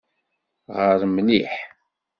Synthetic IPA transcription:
ʁəɾmliħ

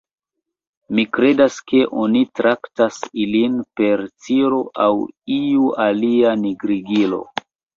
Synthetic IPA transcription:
mikɾe̞daske̞ʔo̞nitɾʔaktasilinpe̞ɾt͡siɾo̞ʔawiualianiɡɾiɡilo̞̰

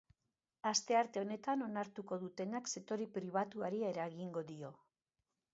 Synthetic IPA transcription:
ast̪e̞aɾt̪e̞o̞ne̞t̪ano̞naɾt̪uko̞ðut̪e̞nakse̞t̪o̞ɾipɾiβ̞at̪uaɾie̞ɾaɣiŋɡo̞ðio̞

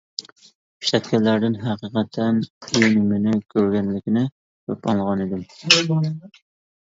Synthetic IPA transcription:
i̥ʃt̪ɛt̪̚kʲɛnlæɾd̪ɪnɦæqəqʰɛt̪ʰːɛnʰijnɪmɪnɪkʲʰøɾɡʲɛnlɪkʲɪnɪ | kʰøpɑŋˠʁɑnid̪ɪm

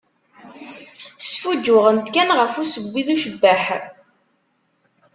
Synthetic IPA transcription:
sfud͡ʒːʊʁənt̪kænʁəfusəɡʷːiðuʃəbːəħ

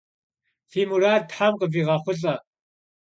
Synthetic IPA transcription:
fiːmuɾaːd̚tħamqəviːʁɑχʷʊɬʼɐ

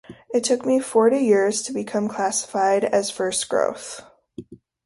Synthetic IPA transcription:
ɨtʰʊkmifɔɹɾijɪɹz̥tʰəbɨkʰʌ̃mkʰl̥æsə̥faɪɾɨz̥fɜ˞sɡ̥ɹo̰ʊθ

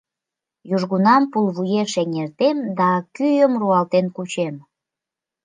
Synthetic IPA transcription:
juʒɣunɑmpulβujeʃeŋert̪emd̪ɑkyjəmruɑlt̪enkut͡ɕem

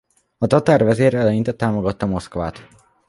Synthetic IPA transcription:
ɒt̪ɒt̪aːrvɛzeːɾɛlɛjint̪ɛt̪ːaːmo̞ɡɒt̪ːɒmo̞skva̰ːt̪

